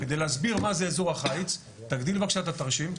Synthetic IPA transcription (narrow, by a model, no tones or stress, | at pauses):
ked̪ejleazbiʁmazeːzoʁaχajit͡s | t̪aɡd̪ilvakʃat̪at̪ɐʁʃim